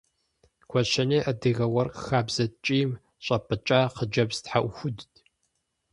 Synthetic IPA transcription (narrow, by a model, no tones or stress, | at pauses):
kʷʰɔʃɐniʔɐdɨɣɐwɐrqxaːbzɐt͡ʃʼiːm | ɕʷʼɐpʼɨt͡ʃʼaːqəd͡ʒɐbz̥tħaʔʷʊxʷʊdtʰʼ